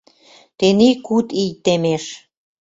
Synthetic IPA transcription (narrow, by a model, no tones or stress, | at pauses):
t̪enikut̪ijt̪emeʃ